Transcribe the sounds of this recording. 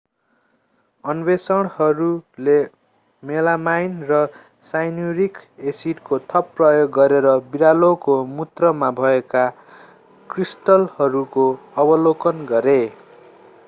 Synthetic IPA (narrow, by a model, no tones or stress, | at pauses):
ʌnbesʌɽ̃hʌɾule | melamajnrʌ | sajnuɾikesiʈkot̪ʰʌpːrʌjoɡːʌɾeɾʌbiɾalokomut̪rʌmabʱʌeka | krisʈʌlhʌɾukoʌbʌlokʌnɡʌɾe